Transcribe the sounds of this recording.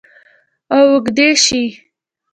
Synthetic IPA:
awʊɡd̪eʃi

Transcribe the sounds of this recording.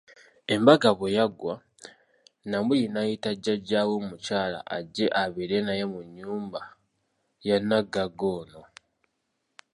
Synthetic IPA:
e̞mbaɡaβojaɡwa | namulinajitaɟaɟaːwomucaːla̰ʔa̰ɟe̞ʔaβiɾe̞najemuɲːuːmba | janːaɡaɡo̞ːno̞

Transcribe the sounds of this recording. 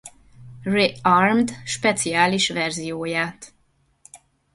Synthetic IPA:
rearmd̪ʃpɛt̪sijaːliʃʋɛrzijoːjaːt̪

